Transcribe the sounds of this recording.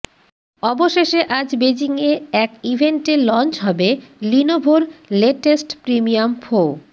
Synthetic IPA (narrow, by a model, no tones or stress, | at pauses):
ɔboʃeʃeʔad͡ʑbed͡ʑiŋeɛkibʱeɳʈelɔnt͡ɕɦɔbelinobʱoɾleʈesʈpɾimiamfo